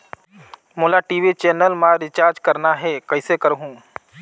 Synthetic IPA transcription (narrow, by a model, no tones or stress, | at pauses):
moːlaʈiːʋit͡ʃeːnəlmãɾɪt͡ʃaːɾd͡ʒkɐɾnaɦɛkɐɪsekəɾɦũː